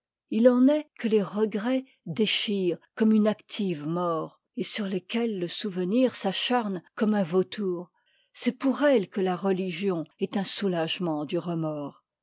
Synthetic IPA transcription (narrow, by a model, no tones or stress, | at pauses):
ilɑ̃nɛkʰəleʁəɡʁɛ | d̪eʃiːʁkɔmynakt̪ʰivmɔːʁ | esyʁlekʲɛlːəsuvəniʁsaʃaʁnkɔmɛ̃vot̪ʰuːʁ | sɛpuʁɛlkəlaʁəliʒjɔ̃ɛt̪ɛ̃sulaʒmɑ̃d̪yʁəmɔːʁ